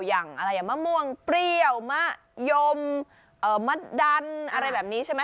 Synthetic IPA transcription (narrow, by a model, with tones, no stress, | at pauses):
jaː˨˩ŋʔa˧ɾa˧jːaː˨˩maː˥˩mu˧əŋpɾi˧˩˧əwma˧˥˩ | jo˧m | ʔɤː˨˩ma˦˥˩t̪̚da˧nʔa˧ɾa˧jbɛː˨˩p̚niː˦˥t͡ɕʰa˥˩jma˦˥